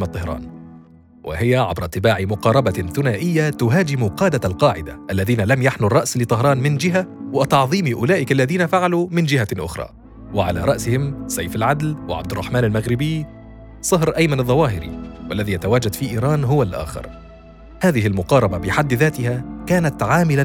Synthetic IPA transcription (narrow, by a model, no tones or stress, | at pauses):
mt̪ˤːɑhɾˤɑ̰ːn | wʔɪ̰ɦɪjaʕa̰bɾˤɑʔt̪ːɪbaːʕɪmʊqɑːɾˤɑbaθʊnaːʔɪjːat̪ʊɦaːd͡ʒɪmuqɑːd̪alqɑːʕɪd̪aʔalːaðiːnalamjaħnʊrˤːɑʔslɪt̪ˤɑɦɾˤɑːnmɪnd͡ʒɪɦawat̪ɑʕðˤiːmiʔʊlaːʔɪkalːaðiːnafaʕalumɪnd͡ʒɪhaʔʊ̰xɾˤɑ̰ː | wɪʕa̰la̰ːɾˤɑʔsɪhɪmsajfalʕad̪lwɪ̰ʕab̚d̪ɪrˤːɑ̰ħmaːnalmaɣɾɪbɪj | sˤɑɦɾʔajmanɑðˤːɑwɑːɦɪɾḭwʔalːaðijat̪awaːd͡ʒad̪fiːʔiːɾˤɑːnɦʊwalʔa̰ːxɪ̰ɾˤ | haːðɪɦɪlmʊqɑːɾˤɑbabɪħad̪ːðaːt̪ɪhakaːnat̪ʕaːmɪla